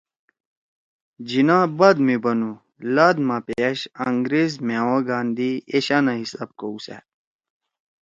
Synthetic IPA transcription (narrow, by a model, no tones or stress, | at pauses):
d͡ʑinãːbɐd̪mibɐnu | lad̪mapeɐɕɐ̰ŋɡɾezmeːwoɡaːnd̪ieɕaːnaɦisa̰ːb̚kousa̰